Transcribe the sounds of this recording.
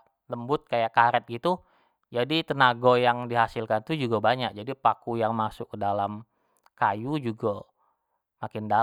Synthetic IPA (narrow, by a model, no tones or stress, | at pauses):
ləmbʊt̪̚kajaʔkaɾɛt̪̚ɡit̪u | d͡ʒadit̪ənaɡojaŋdiɦasɪlkant̪ud͡ʒuɡabaɲak̚d͡ʒadipakujaŋmasʊkːədalam | kajud͡ʒuɡa | makɪnda